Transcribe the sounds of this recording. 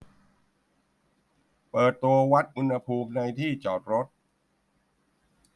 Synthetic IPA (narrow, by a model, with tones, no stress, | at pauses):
pɤː˨˩t̪ːu˧ɐwa˦˥t̪̚ʔu˧nha˧pʰuː˧mna˧jt̪ʰiː˥˩t͡ɕɔː˨˩t̪̚ɾo˦˥t̪̚